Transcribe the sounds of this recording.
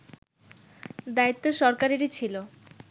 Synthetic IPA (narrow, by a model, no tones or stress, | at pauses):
d̪ait̪ːoʃɔɾkaɾeɾit͡ɕʰilo